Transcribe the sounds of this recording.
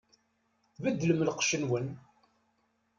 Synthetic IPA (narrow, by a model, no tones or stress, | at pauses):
væd̪ːləmlqʃənwən